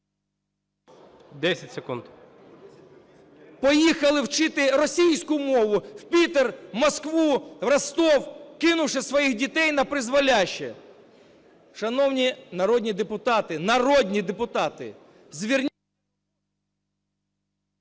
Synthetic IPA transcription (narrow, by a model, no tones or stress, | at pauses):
d̪ɛsʲɐtʲsekund̪ | pɔjixɐlˠɪwt͡ʃɪt̪ɪɾɔsʲijsʲkʊmɔʋʊwpʲit̪ermɔskʋuʋrɐst̪ɔwkɪnʊwʃɪsʋɔjixdʲit̪ɛjnɐpɾɪzʋɐlʲaʃt͡ʃːɛ̰ | ʃɐnɔwnʲinɐɾɔdʲnʲid̪epʊt̪ɑt̪ɪnɐrɔdʲnʲid̪epʊt̪ɑt̪ɪ̰ | zʲʋʲirnʲ